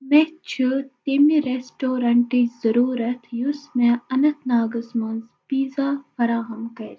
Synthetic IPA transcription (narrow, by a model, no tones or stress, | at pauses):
met͡ʃʰɨt̪emiɾesʈoːɾɐɳʈizɐɾuːɾɐt̪ʰjusmẽɐnɐt̪ʰnaːɡɐsmɐnzpiːzaːfɐɾaːɦɐmkɐɾʲ